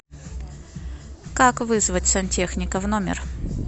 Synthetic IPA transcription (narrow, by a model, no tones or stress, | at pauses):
kakvɨzvətʲsɐnʲtʲe̞xnʲɪkəvnomʲɪ̰r